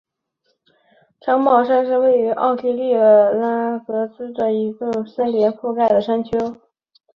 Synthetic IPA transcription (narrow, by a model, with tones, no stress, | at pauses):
ʈ͡ʂʰɑ˧˥ŋmɑ˨˩ʊʂa˥nʂ̬ɻ̩˥˧we˥˩ɪy˧˥ʔɑ̰˥˩ʊt̪i˥li˥˩ə˧˩la˥kɤ˧˥sɹ̩˥d̪ə˨i˧˥ɡə˥˧sə˥nljɛ˧˥nfu˥˧ka˥˩ɪd̪ə˩ʂa˥nt͡ɕʰjo˥ʊ